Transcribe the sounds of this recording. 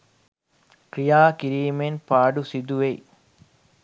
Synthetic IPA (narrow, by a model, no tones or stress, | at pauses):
kɾijaːkiɾiːmenpaːɖusid̪uʋej